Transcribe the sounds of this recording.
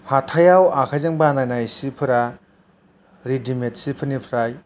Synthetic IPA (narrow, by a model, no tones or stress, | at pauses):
hatʰajawakʰajzɯŋbanajnajsipʰɯɾa | ɾidimet̚sipʰɯnipʰɾaj